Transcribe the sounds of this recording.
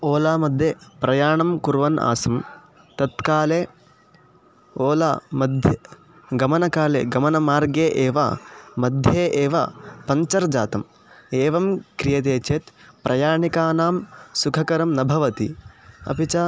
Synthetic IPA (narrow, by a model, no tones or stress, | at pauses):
oːlaːmɐd̪ʱjepɾɐjaːɳɐmkuɾʋɐna̰ːsɐm | t̪ɐt̪kaːleː | oːla̰ːmɐd̪ʱjɐ | ɡɐmɐnɐkaːlḛːɡɐmɐnɐmaːɾɡeːʔeːʋɐ̰mɐd̪ʱjeːʔeːʋɐ̰pɐɲt͡ʃɐɾd͡ʒa̰ːt̪ɐm | eːʋɐmkɾijɐt̪̬eːt͡ʃeːt̪pɾʔɐjaːɳikaːnaːmsukʰɐkɐɾɐmnɐbʱɐʋɐt̪ḭɐ̰pit͡ʃɐ